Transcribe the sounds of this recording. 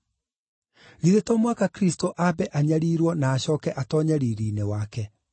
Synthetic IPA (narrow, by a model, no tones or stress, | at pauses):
ɣiðetɔmwakakɾistoʔabɛʔaɲaɾiːɾwɔnaːɕɔːkɛʔatɔːɲɛɾiɾiːnewakɛ